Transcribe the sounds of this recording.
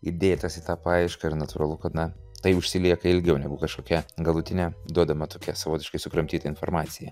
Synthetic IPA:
ɪd̪ʲeːt̪ɐsɪt̪ɑːpɐɐɪʃkɐɪɾnɐt̪ʊɾɐlˠʊkɐt̪nɐ | t̪ɐɪʊʃʲsʲɪlʲiɛkɐɪlʲɡʲɛʊnʲɛɡʊkɐʃkoːkʲɛɡɐlˠʊt̪ʲɪnʲɛd̪uɔd̪ɐmɐt̪oːkʲɛsɐʋoːt̪ʲɪʃkɐɪsʊkɾɐmʲt̪ʲiːt̪ɐɪnformɑːt̪t͡ssʲɪjɛ

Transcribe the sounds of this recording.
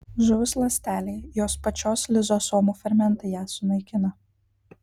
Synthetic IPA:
ʒʊʋʲʊslˠɐsʲt̪ʲæːlʲɛɪjoːspɐt͡ʃʲoːslʲɪzoːsoːmuːfʲɐɾʲmʲɛnˑt̪ɐjæːsʊnɐɪkʲɪnɐ

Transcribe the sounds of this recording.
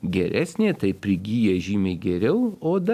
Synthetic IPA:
ɡʲɛɾʲʔæːsʲnʲeːt̪ɐɪpʲɾʲɪɡʲiːjɛʒʲiːmʲɛɪɡʲɛɾʲɛʊoːd̪ɐ

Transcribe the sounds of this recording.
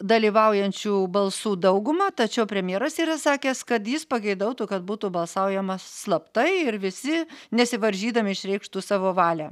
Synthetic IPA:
d̪ɐlʲiːʋɐʊjɛnʲt͡ʃʲuːbɐlˠsuːd̪ɐʊɡʊmɐt̪ɐt͡ʃʲɛʊpʲɾʲɛmʲjeːɾɐsiːɾɐsɑːkʲeːskɐt̪jɪspɐɡʲɛɪd̪ɐʊt̪uːkɐd̪̚buːt̪uːbɐlˠsɑʊjɛmɐsslˠɐpt̪ɐɪɪɾʋʲɪsʲɪnʲɛsʲɪʋɐɾʲʒʲiːd̪ɐmʲɪɪʃɾʲɛɪkʃt̪uːsɑːʋoːʋɑːlʲæː

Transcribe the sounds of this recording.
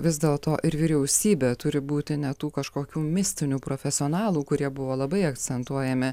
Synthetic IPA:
ʋʲɪzd̪ʲeːlˠt̪oːʔɪɾʋʲiːɾʲɛʊsʲiːbʲeːt̪ʊɾʲɪbuːt̪ʲɪnʲɛt̪uːkɐʃkoːkʲuːmʲɪsʲt̪ʲɪnʲuːpɾoːfʲɛsʲɪoːnɑːlˠuːkʊɾʲiɛbʊʋoːlˠɐbɐɪɐkt͡ssʲɛnt̪uɔjɛmʲɪ

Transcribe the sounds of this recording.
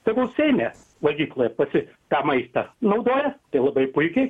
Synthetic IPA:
sɐɪɡʊsʲɛɪnʲɛ | ʋɐɡʲiːklˠoːjɛpɐsʲɪ | t̪ɑːmɐɪst̪ɐnɐʊd̪oːjɛt̪ɐɪlˠɐbɐɪpʊɪkʲɛɪ

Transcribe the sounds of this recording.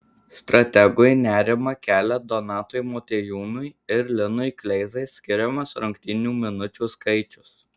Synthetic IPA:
st̪ɾɐt̪ʲɛɡʊjnʲæːɾʲɪmɐkʲæːlʲɛd̪ɔnɑːt̪ojmoːt̪ʲejuːnʊjɪɾlʲɪnʊjklʲɛɪzɐɪsʲkʲɪɾʲɛmɐsɾʊŋʲkʲt̪ʲɪnʲuːmʲɪnʊt͡ʃʲuːskɐɪt͡ʃʲʊs

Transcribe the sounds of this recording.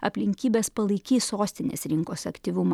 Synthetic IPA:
ɐ̰pʲlʲɪŋʲkʲiːbʲeːspɐlˠɐɪkʲiːsoːsʲt̪ʲɪnʲḛːsɾʲɪŋkoːsɐkt̪ʲiʋʲʊm

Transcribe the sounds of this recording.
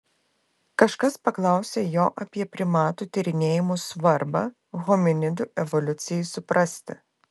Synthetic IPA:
kɐʃkɐspɐklˠɑˑʊsʲeːjoːʔɐpʲiɛpʲɾʲɪmɑːt̪uːt̪ʲɪɾʲɪnʲeːjɪmuːsʋɐɾbɑː | ɣɔmʲɪnʲɪd̪ʊʔɛʋɔlʲʊt̪sʲɪjɛɪsʊpɾɐsʲt̪ʲɪ

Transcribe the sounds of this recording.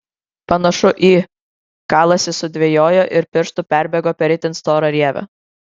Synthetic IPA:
pɐnɐʃʊʔiː | kɑːlˠɐsʲɪsʊd̪ʲʋʲɛjoːjoʔɪɾpʲɪɾʃt̪ʊpʲæˑɾʲbʲɛɡoːpʲɛɾʲɪt̪ʲɪnst̪oːɾɐɾʲiɛʋʲɐ̰

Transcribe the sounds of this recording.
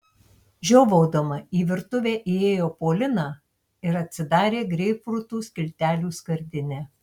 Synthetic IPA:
ʒʲoːʋoːd̪omɐiːʋʲɪɾt̪ʊʋʲeːʔieːjoːpoːlʲɪnɑː | ɪɾɐt̪ʲsʲɪd̪ɑːɾʲeːɡɾʲɛɪpɾʊt̪uːsʲkʲɪlʲt̪ʲæːlʲuːskɐɾʲd̪ʲɪnʲæː

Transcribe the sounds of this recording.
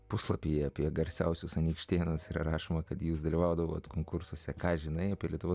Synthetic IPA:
pʊslˠɐpʲijɛɐpʲiɛɡɐɾʲsʲɛʊsʲʊsɐnʲiːkʃʲt̪ʲeːnʊsiːɾɐ̰ɾɑːʃoːmɐkɐt̪juːsd̪ɐlʲiʋɑʊd̪ɐʋoːt̪koːŋkʊɾsuɔsʲɛkɑːʒʲɪnɐɪɐpʲiɛlʲiɛt̪ʊʋoː

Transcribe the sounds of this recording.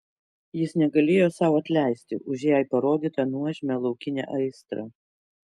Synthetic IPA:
jɪsnʲɛɡɐlʲeːjoːsɑˑʊɐt̪ʲlʲæˑɪsʲt̪ʲɪ̰ʔʊʒʲjæɪpɐɾoːd̪ʲiːt̪ɐnuɔʒʲɪmʲɛlˠɒʊkʲɪnʲḛːʔɐɪst̪ɾɑ

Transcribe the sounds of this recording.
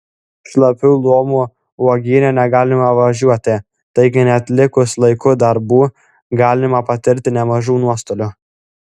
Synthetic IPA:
ʃlˠɐpʲuʊlˠoːmuː | uɔɡʲiːnʲɛnʲɛɡɑːlʲɪmɐʋɐʒʲuɔt̪ʲɪ | t̪ɐɪɡʲɪnʲɛɐt̪ʲlʲɪkʊslˠɐɪkʊd̪ɐɾbuː | ɡɑːlʲɪmɐpɐt̪ʲɪɾʲt̪ʲɪnʲɛmɐʒuːnuɔst̪oːlʲʊ

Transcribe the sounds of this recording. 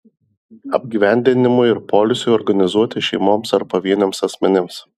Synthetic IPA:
ɐbʲɡʲiːʋʲɛˑnʲd̪ʲɪnʲɪmʊɪɾpɔːlʲɪsʲʊɔːɾɡɐnʲɪzuɔt̪ʲɪʃʲɛɪmoːmsɐɾbɐʋʲiɛnʲomsɐsʲmʲɛnʲɪms

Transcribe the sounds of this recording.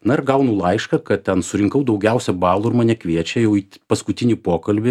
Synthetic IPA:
nɐɪɾɡɐʊnʊlˠɐɪʃkɐkɐt̚t̪ʲɛnsʊɾʲɪŋkɐʊd̪ɐʊɡʲɛʊsʲɛbɑːlˠuːɪɾmɐnʲɛkʋʲiɛt͡ʃʲɛjɛʊiːtpɐskʊt̪ʲɪnʲiːpoːkɐlʲbʲɪ

